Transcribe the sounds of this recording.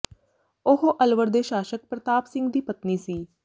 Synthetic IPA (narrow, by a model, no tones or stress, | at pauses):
oɦoʔɐlʋəɾd̪eʃaːʃək̚pɾɐt̪aːpsɪ̃ŋɡd̪iːpɐt̪nisiː